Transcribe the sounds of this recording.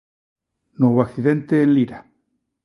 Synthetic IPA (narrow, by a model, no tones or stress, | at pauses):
nweβoakθiðe̞nt̪eːnliɾa